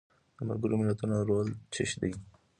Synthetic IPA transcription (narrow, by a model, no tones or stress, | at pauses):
d̪̥əma̰lɡəɾomɪlat̪unaɾolt͡ʃʰɪ̰ʃd̪i